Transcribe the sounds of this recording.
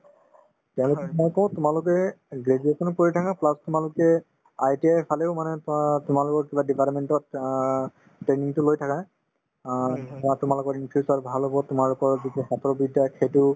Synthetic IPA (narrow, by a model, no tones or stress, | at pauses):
tɛʊ̃lʊkɛmɔjkɔ̃ʊ̃tʊmalʊkɛɡɹediekʰɔnukoɹitʰakãplastʊmalʊkɛ | ajtiajpʰaleʊmanɛtʊmalʊkɔɹkibadipalp̚mɛntɔt | tɹeniŋtʊlojtʰakã | atʊmalʊkɔɹinpʰusaɹbʱalɦobɔtʊmaɹlʊkɔɹzitusatɔɹbidakʰetʊ